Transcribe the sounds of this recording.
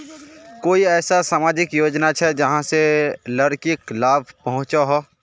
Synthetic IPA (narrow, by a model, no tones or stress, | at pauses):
koːiɛːsasaːmaːd͡ʒɪkjoːd͡ʒnat͡ʃʰɛd͡ʒɐɦãselɐɾkɪklaːbʱpɐɦʊ̃t͡ʃaɦo